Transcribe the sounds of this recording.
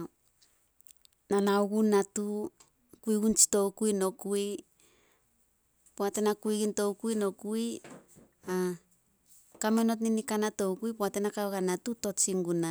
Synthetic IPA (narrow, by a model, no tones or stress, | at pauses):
nanauɡunatu | kuiɡunt͡ʃi̥to̞wkujno̞kui | poate̞nakuiɡinto̞wkuino̞kuj | a | kameno̞t̬ninikanato̞wkujpoate̞nakawɡanatuto̞t͡ʃiŋɡuna